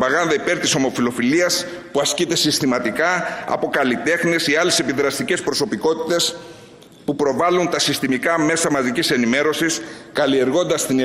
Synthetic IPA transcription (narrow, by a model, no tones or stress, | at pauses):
pɐɣɐnðɐipe̞ɾt̪iso̞mo̞filo̞filiɐs | puɐscit̪e̞sist̪imɐt̪ikɐɐ̰po̞kɐlit̪e̞xniesiɐle̞se̞piðɾɐst̪ice̞spɾo̞so̞piko̞t̪i̥t̪e̞s | pupɾo̞vɐlunt̪ɐsist̪imikɐme̞sɐmɐzikcise̞nime̞ɾo̞siskɐlie̞ɾɣo̞nd̪ɐst̪in